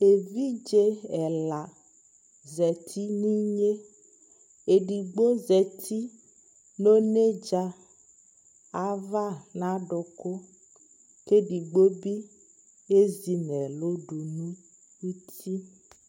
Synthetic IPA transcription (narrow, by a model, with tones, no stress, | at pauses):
e˨vi˦d͡ʒe˦ɛ˨la˨ | zɛ˨t̪ʰi˦nĩ˦ɲe˦ | e˨ɖi˨ɡ͡bo˦zɛ˨t̪ʰi˦ | no˦ne˦d͡ʒa˨ | a˨va˦nã˦ɖo˨ko˦ | ke˦ɖi˨ɡ͡bo˦bi˦ | e˦zi˨nɛ˨lo˦ɖu˨nũ˦ | wu˦t̪ʰi˦